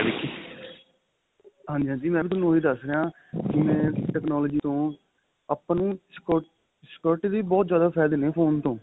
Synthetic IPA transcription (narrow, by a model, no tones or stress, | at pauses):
ekːi | ɦãːnd͡ʒiːɦãːd͡ʒiːmɛ̃ːbiːt̪ʊnũːɦiːd̪əsɾeãː | kɪmɛ̃ːʈɛːknɔːlɔːd͡ʒiːt̪õː | əpːnũːskoʈ | skɔːɾʈːd̪iːbɔːt̪zjaːd̪aːpʰɛːld̪eːneːpʰoːnt̪õː